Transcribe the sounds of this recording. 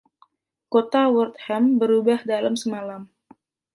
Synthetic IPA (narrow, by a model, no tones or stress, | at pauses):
kot̪awurt̪̚hɛmbəɾubahdalamsəmalam